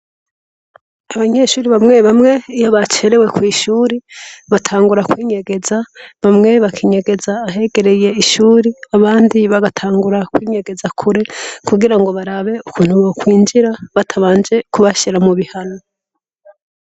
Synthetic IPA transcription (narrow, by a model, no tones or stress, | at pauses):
aβaɲe̞ʃuːɾiβamŋe̞βamŋe̞ijoβat͡ʃe̞ɾe̞we̞kwiːʃuːɾiβatʰaːŋɡuɾakwiːɲe̞ɡe̞zaβamŋe̞βakʰiːɲeɡe̞zaːɦe̞ɡe̞ɾe̞je̞iʃuːɾiaβaːndiβaɡatʰaːŋɡuɾakwiːɲe̞ɡe̞zakʰuɾe̞kuɡiɾaŋɡo̞βaɾaβe̞ukʰuːn̥huβokwiːnd͡ʒiɾaβatʰaβaːnd͡ʒe̞kuβaʃiɾamuβihano